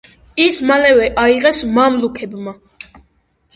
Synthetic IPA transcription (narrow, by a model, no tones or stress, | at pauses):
ismalɛvɛʔaiʁɛsmamlukʰɛbma